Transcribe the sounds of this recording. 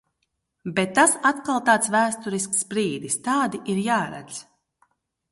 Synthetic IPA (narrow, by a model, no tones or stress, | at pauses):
bet̪ːasat̪kalˠt̪aːt̪svæːst̪uɾisksbɾiːd̪ist̪aːd̪iʔiɾjaːɾa̰d̪z